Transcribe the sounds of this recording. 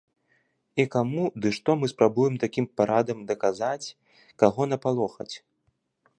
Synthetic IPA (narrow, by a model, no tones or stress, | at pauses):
ikamud̪ɨʂt̪ɔmɨspɾabujɛmt̪akʲimpaɾad̪ɐmd̪ɐkazat͡sʲ | kaɣɔnɐpalˠɔxɐ̰t͡sʲ